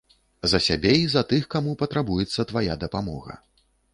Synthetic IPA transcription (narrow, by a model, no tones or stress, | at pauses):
zɐsʲabʲɛizɐt̪ɨxkamupɐt̪ɾabujɛt̪sːɐt̪vajad̪ɐpamɔ̰ɣɐ̰